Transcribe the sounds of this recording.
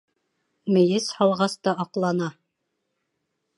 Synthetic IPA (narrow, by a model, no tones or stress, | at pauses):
mɘ̆jɘshɑlˠʁɑst̪ɑʔɑqlˠɑnɑ